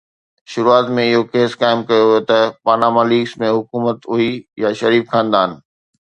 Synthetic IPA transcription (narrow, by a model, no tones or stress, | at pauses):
ʃʊɾuaːt̪mẽɪɦokeːskaːɪmkɐjoet̪ɐpaːnamaːliːksmẽɦʊkuːmət̪ʊɦijaʃɐɾiːfkʰãːnd̪aːɪnɪ̆